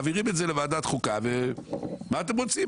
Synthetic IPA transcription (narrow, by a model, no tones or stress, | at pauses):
viʁimetze̞levaːd̪at̪χukave | maːt̪emʁot͡si